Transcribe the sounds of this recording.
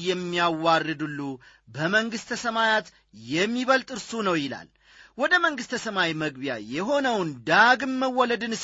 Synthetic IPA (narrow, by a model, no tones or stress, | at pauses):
jɛmːijawːarːɨd̪ɨlːu | bəməŋɡɨst̪ʰəsəmajat̪ | jɛmːiβəlt̪ʼɨɾsunəwjɪla̰l | wɔd̪əməŋɡɨst̪ʰəsəmawiməɡbja̰jɛɦo̞nəwnd̪aɡɨmːəwːɔləd̪ɨnɨs